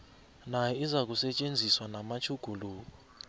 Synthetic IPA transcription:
najɛizak̬ʼusɛt͡ʃʼend͡zʱiswanamat͡ʃʰuɡ̥ʱuloːkɔ

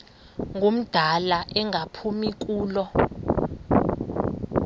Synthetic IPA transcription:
ŋʱom̩d̥ʱalaʔɛŋʱapʰumik̬uːlɔ

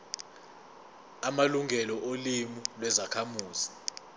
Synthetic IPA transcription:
amaluŋʱɛlɔʔolimilwɛzakʰamuːzi

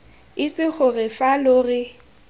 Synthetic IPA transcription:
ɪsɪk͡xʰʊrɪfalʊrɪ

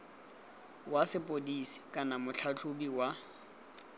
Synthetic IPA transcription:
wasɪpʼodisi̥kʼanamʊt͡ɬʰat͡ɬʰʊbiwa

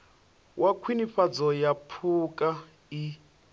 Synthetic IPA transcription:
wʔakʰwiniɸad͡zɔjapʰukʼa | i

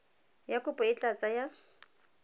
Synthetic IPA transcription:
jakʼʊpʼʊɪt͡ɬʼat͡sʼaja

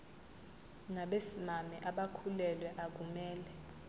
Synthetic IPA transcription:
ŋaɓesimamɛʔaɓakʰulɛlwɛʔak̬umɛːlɛ

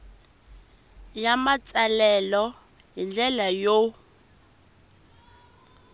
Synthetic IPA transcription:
jamat͡sʼalɛlɔ | ɦind͡ɮɛlajo

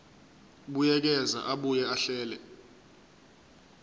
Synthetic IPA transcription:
ɓujɛk̬ɛza̰ʔaɓujɛaɬɛːlɛ

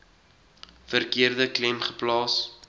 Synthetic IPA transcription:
fərkiərdəklɛmχə̥plɑːs

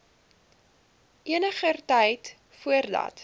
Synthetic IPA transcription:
ʔiənəχərtɛjt | fuərdɐ̰t

